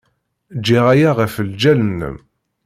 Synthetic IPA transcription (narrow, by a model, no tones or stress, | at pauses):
d͡ʒiʁæjaʁəfəld͡ʒælənːə̰m